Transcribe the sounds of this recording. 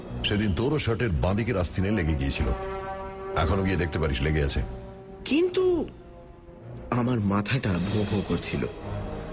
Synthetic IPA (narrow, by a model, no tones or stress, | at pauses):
ʃed̪int̪oɾoʃəʈeɾbãd̪ikeɾast̪ʰineleɡeɡiet͡ɕʰilo̰ | ɛkʰonoɡied̪ek̚ʰt̪epaɾiʃleɡea̰t͡ɕʰḛ | kint̪u | amaɾmat̪ʰaʈabʱobʱokoɾt͡ɕʰilo̰